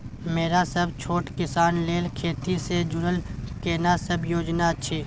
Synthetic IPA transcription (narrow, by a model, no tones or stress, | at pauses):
meːɾasəbt͡ʃʰoːʈkɪsaːnleːlkʰeːt̪ised͡ʒʊɾəlkeːnasəbjoːd͡ʒnat͡ʃʰeː